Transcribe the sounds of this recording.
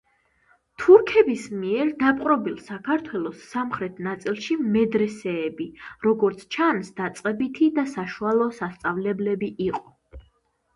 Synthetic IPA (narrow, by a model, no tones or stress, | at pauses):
t̪ʰuɾkʰɛbismiɛɾd̪apʼqʼɾɔbilˠsakʰaɾt̪ʰwɛlˠɔsːamχɾɛt̪ʰnat̪sʼilˠʃimɛd̪ɾɛsɛːbiɾɔɡɔɾt̪sʰt͡ʃʰansd̪at̪sʼqʼɛbit̪ʰid̪asaʃualˠɔːsast̪sʼavlɛblɛbiʔiqʼɔ